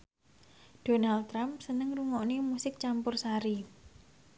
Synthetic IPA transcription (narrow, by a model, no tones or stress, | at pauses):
d̥onalt̪ːɾampsənəŋruŋɔʔnimusɪk̚t͡ʃampʊrsaɾi